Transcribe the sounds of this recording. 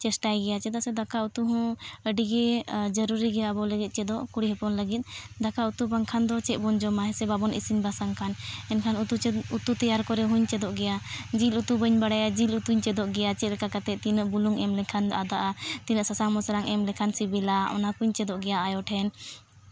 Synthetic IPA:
t͡ʃɛsʈajɡɛjat͡ʃɛd̪asɛd̪akaut̪uɦɔ̃əɖiɡɛd͡ʒəɾuɾiɡɛjabɔləɡit̪̚ˀt͡ʃɛd̪ɔʔkuɽiɦɛpɔnləɡit̪̚ˀd̪akaut̪ubaŋkʰand̪ɔt͡ʃɛʔ̪̚bɔnd͡ʒɔmaɦɛsɛbabɔnʔḭsiɲbasaŋkʰanɛnkʰanut̪uut̪ut̪ijaɾkɔɾɛɦũɲt͡ʃɛd̪ɔʔɡɛjad͡ʒilut̪ubəɲbaɽajad͡ʒilut̪uɲt͡ʃɛd̪ɔʔɡɛjat͡ʃɛt̪̚lɛkakat̪ɛt̪inəʔbuluŋɛmlɛkʰana̰d̪aʔat̪inəʔsasaŋmɔsaɾaŋʔɛmlɛkʰansibɛlaɔ̰nakuɲt͡ʃɛd̪ɔʔɡɛjaajɔʈʰɛn

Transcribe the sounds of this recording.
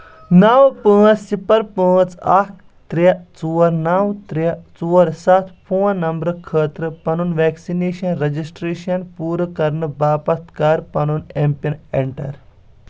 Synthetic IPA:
nɐwpə̃ːt͡ssipɐɾpə̃ːt͡sɐk | t̪ɾɐt͡suːɐɾnawt̪ɾiɐt͡suːɐɾsɐt̪ʰpʰũːɐ̃nɐmbɾɨkʰəːt̪ɾɨpɐnunʋeːksineːʃɐnɾɐd͡ʒisʈɾeːʃɐnpuːɾɨkɐɾnɨbaːpɐt̪kaːɾpɐnunempɐneɳʈɐ̰ɾ

